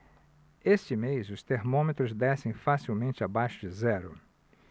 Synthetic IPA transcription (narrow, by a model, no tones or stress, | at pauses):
est͡ʃɪmejzʊst̪eɾmõmet̪ɾʊzd̪ɛsẽj̃fasiwmẽnt͡ʃɪabajʃʊd͡ʒɪzɛɾʊ̰